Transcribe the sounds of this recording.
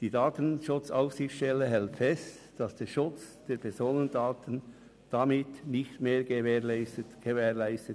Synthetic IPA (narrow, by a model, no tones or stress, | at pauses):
d̥iːdaːtənʃʊt͡saʊfsɪxt͡sʃtɛlːəɦɛltfɛst | d̥ɑsd̥eːɾʃʊt͡sd̥eːɾpʰɛɾzoːnəndaːtən | d̥amɪtnɪçtmeːɾɡəɛːlɪəɡ̥əvɛːʁlaɪstə